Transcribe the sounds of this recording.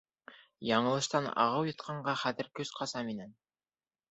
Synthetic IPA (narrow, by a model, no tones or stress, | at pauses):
jɑɴɤ̆lˠɤ̆ʃt̪ɑnɑ̰ʁɤwjɤ̆t̪qʰɑɴɢɑχæðɘ̆ɾkɵzqʰɑsɑminæn